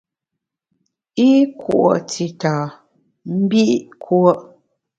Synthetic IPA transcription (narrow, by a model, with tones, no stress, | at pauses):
i˦ku˨ʔo˨tʰi˨taː˨ | m̩˦bi˦ʔʔkʰwɔ˦ʔ